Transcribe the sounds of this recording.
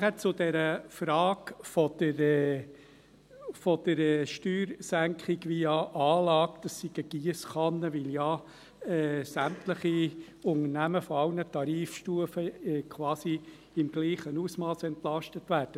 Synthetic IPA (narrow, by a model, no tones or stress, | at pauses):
ɛt͡sʊd̥̪ɛɾəfɾɑːɡfɔd̪̥əɾ | fɔd̪̥əɾɛːʃtyːɾsæŋkχɪɡʋijɑʔɑːlɑːkd̪̥ɑsːiɡ̥əɡ̥iəsχɑnːəʋɪljɑ | ɛːsæmt̪ləχi | ʊŋənæməfɔɑwnətɑɾiːfʃtuəfəɛkʰʋɑːsi | ɪmɡliːχənuːsmɑːsɛnt̪lɑʃtətʋæːɾd̥ə